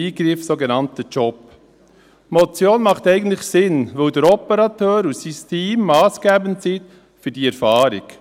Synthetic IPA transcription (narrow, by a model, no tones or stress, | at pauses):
iːɡɾɪfsoɡenɑntət͡ʃɔp | mɔt͡sjoːnmɑχt̪ɛɪɡən̩tlɪχsɪnʋɵwdəɾɔpəɾɑtøːɾusistʰiːmːɑːsɡ̥æːbəntsit | fyɾdiɛɾfɑːɾɪk